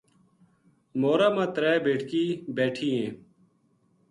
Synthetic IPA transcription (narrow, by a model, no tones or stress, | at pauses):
moːɾaːmãːt̪ɾɛːbeːʈʰkiːbeːʈʰiːẽː